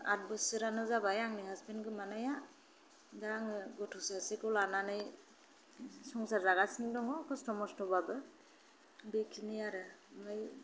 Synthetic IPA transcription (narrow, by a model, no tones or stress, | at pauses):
ad̚bɯsɯɾanɯzabajaŋniɦaspenɡɯmanaja | daɾaŋɯɡɔtʰusasekɯlananɯj | sɔŋsaɾzaɡasiŋdɔŋɔkʰɔstɔmɔstɔbabɯ | bekʰiniaɾɯmɯj